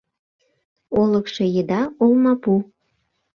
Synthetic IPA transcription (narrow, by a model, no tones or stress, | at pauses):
oləkʃejed̪ɑolmɑpu